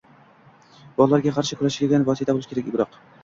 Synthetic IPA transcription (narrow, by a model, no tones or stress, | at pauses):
b̥ɒlˠlaɾɡʲaqʰɑɾʃɪkʰʊɾaʃɡʲaɡʲanvɒsijt̪ʰabolˠɪʃkʰʲeɾakʲʊbɾɑq